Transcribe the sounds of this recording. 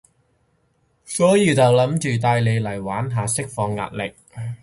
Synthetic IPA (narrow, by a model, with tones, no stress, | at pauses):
sɔː˨˥jiː˧t͡sɐ˨wlɐ˨˥mt͡ʃyː˨t̪̬aː˧jle˨˧jlɐ˨˩jwaː˨˥nɦaː˨˧sɪ˥k̚fɔː˧ŋːa̰ː˧t̚lɪ˨k̚